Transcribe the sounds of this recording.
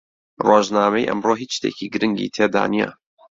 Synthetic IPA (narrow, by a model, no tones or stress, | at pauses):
roːʒnaːmejʔɐ̰mroːɦiʃt̪eːcʰiɡɨɾɨŋɡḭt̪ʰeːd̪a̰ːnijɛ̰